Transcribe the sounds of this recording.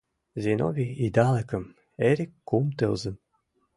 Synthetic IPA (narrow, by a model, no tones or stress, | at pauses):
zʲeno̰vʲiid̪ɑlˠĕkə̆m | eɾʲikːumt̪ɨlˠzə̆n